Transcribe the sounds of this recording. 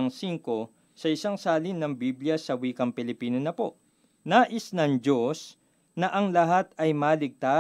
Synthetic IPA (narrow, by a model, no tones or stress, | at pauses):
ɐŋsiŋko̞ | sɐʔɪsaŋsaːlɪnɐŋbibljɐsɐwiːkɐŋpɪlɪpiːnɐnɐpo̞ | naːʔɪsnɐŋd͡ʒo̞s | nɐʔɐŋlɐɦat̪̚ɐjmaːlɪɡ̚t̪a